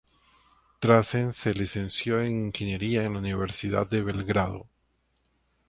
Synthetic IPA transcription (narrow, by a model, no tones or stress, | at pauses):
t̪ɾasense̞lise̞nsjo̞eŋiŋxine̞ɾiaenlauniβe̞ɾsiða̰d̪̚d̪eβe̞lɣɾaðo̰